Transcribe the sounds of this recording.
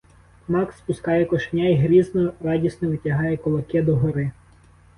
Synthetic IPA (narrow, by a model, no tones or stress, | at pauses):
mɑkspʊskɑjɛkɔʃknʲajɦɾʲiznɔrɑdʲisnɔʋɪtʲɐɦɑjɛkɔlˠɐkɛd̪ɔɦɔɾɪ